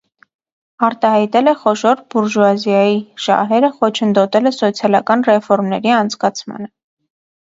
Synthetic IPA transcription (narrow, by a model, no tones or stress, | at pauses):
ɑɾt̪ɑhɑjt̪ɛlɛχɔʃɔɾbuɾʒuɑzjɑjiʃɑ̰ɦɛɾəχɔt͡ʃʰənd̪ɔt̪ɛlɛsɔt͡sʰjɑlɑkɑnrɛfɔɾmnɛɾiɑnt͡sʰkɑt͡sʰmɑ̰nə